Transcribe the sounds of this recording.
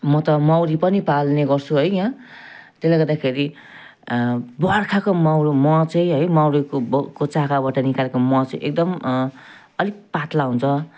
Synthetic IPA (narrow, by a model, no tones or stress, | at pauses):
mʌt̪ʌmawɾipʌnipalneɡʌrt͡sʰuɦʌjkat̪elajɡʌrd̪akʰeɾi | bʌarkʰakomawɾomʌ̃t͡sʌj̃ɦʌjmawɾikobkot͡sakabaʈʌnikalekomʌ̃t͡sʌʔek̚d̪ʌm | ʌlik̚pat̪laɦunt͡sʰʌ